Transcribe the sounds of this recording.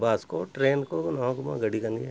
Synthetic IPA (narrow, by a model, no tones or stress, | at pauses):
baːskoʈɾeːnkonɔɦãkʊmã̰ɡɐɽikɐnie